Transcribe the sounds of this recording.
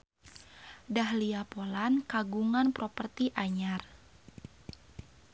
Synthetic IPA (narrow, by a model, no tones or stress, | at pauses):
dahliapolankaɡuŋanpɾɔpərt̪iʔaɲar